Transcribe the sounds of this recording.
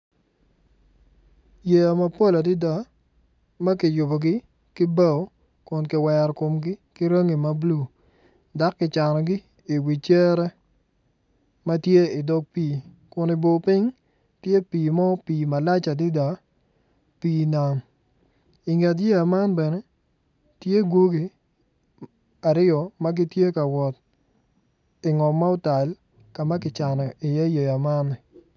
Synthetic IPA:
je˨a˨ma˨po˦la˨di˦da˨ | ma˦kɪ˨jʊ˨bo˨ɡɪ˦ | kɪ˦ba˦˨o˦ | kʊ˨nkɪ˨wɛ˨ɾko˨mɡɪ˦kɪ˦ɾe˦ŋi˨ma˨blu˦˨ | da˦kːɪ˨t͡ʃa˨nɔ˨ɡɪ˦ | i˨wi˨t͡ʃɛ˦ɾɛ˦ | ma˦tje˦ɪ˨dɔ˦k̚piː˦˨ | kʊ˨nɪ˨bo˨pɪ˦ŋ | tje˦piː˨mɔ˦piː˨ma˨la˦t͡ʃa˨dɪ˦da˨ | piː˨na˨m | ɪ˨ŋɛ˨t̬je˦ja˨ma˦nbɛ˨nɛ˦ | tje˦ɡo˦ɡi˨ | a˨ɾɪ˦ɔ˨ma˦ɡi˦tje˦ka˨wɔ˨t | ɪ˨ŋɔ˨mːa˦ʊ˦ta˨l | ka˨ma˦kɪ˨t͡ʃa˨nɔ˨i˨je˦je˨ja˨ma˦nːɪ˨

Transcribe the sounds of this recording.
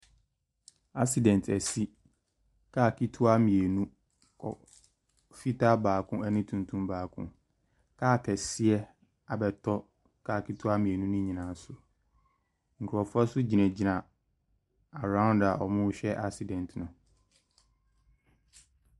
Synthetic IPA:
a˦si˨dɛ̃˨ntʰɛ˨si˦ | kʰaː˦˨kʰi˦tʰu˦a˦mĩ˨e˨nũ˦ | kʰɔ̰˨ | fi˦tʰa˦baː˨kʰʊ̃˦ɛ˦nɪ̃˦tʰũ˨ntʰũ˦mbaː˨kʰʊ̰̃˦ | kʰaː˦˨kʰɛ˨sɪ˦ɛ˦ | a˨bɛ˨tʰɔ˦ | kʰaː˦˨ki˦tʰu˦a˦mĩ˨e˨nũ˦nʊ̃˦ɲĩ˨nã˨sʊ˨ | ŋ̩˨kʰʊ˨ɾɔ˨fʊ˦ɛ˦sʊ˦d͡ʑi˨nɛ̃˨d͡ʑi˨nã˨ | a˨ɾã˦ʊ̃˦nda˨ʔɔ˨mʊ̃˦ɕᶣɛ˦ʔa˦si˨dɛ̃˨ntʰnʊ̃˨

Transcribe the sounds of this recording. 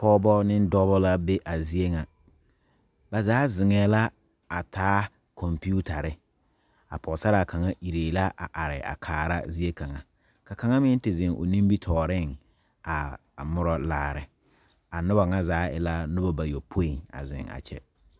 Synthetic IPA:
pɔ˦bɔ˦nɪ˦n˦dɔ˦bɔ˦la˦be˦ʔa˨zi˦e˦ŋa˨ | ba˨zaː˨˦zɪ˨ŋɛː˨la˦ | a˨tʰaː˦ | kʰɔ˨mpi˦u˦ta˨ɾɪ˦ | a̰˨pʰɔ˨sa˦ɾa˨kʰa˨ŋa˦ʔi˨ɾeː˨la˦ʔa˨ʔa˨ɾɪ̰˨a̰˨kʰaː˨ɾa̰˦zi˦e˦ka˨ŋa˨ | ka˨ka˨ŋa˦mɪ˦n˦tɪ˨zɪ˨ŋʔo̰˨nĩ˦mbi˦tʰɔː˨ɾɪ˦˨ŋ | a˨ | mʊ˦ɾɔ˦laː˨ɾɪ̰˨ | a˨nʊ˦ba˨ŋa˦zaː˨˦ɪ̰˨la˦nʊ˦bɔ˦ba˨jo˨pʰo˦i˨ŋa̰˨zɪ̰˨ŋa̰˨t͡ʃɛ̰˦

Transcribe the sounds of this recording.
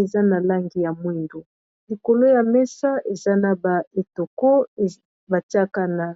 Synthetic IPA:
e˨za˦na˨la˦ŋɡi˨ja˨mwe˦ndo˨ | li˨ko˨lo˦ja˨mɛ˦sa˦ʔe˨za˦na˨ba˨e˨to˨ko˦˨ | ba˨ti˦a˦ka˦na˨

